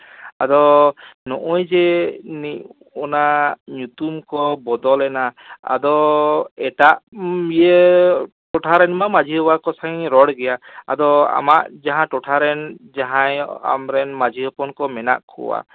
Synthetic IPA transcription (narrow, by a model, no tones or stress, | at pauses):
ad̪ɔnɔʔɔjd͡ʒɛnic | ɔnaɲut̪umkɔbɔd̪ɔlɛna̰ːd̪ɔɛʈaʔije | ʈɔʈʰaɾɛnmamad͡ʒʱiɦɔwakɔsaiɲɾɔɽɡɛjaa̰d̪ɔa̰maʔd͡ʒaɦãʈɔʈʰaɾɛnd͡ʒaɦãja̰mɾɛnmad͡ʒʱiɦɔpɔnkɔmɛna̰ʔkʰɔ̰wa̰